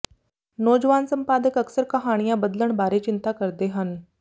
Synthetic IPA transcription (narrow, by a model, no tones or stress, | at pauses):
noːd͡ʒəʋaːnsəmpaːd̪əkəksəɾkɐɦaːɽ̃ijãbəd̪ləɳbaːɾet͡ʃɪnt̪akəɾd̪eɦən